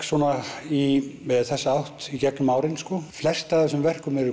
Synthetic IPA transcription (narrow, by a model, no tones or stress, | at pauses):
svɔːnaimɛðθɛsːaawht̪icɛknʏmaːwɾɪnskɔflɛr̥st̪aθɛsʏmvɛr̥kʏmɛɾʏ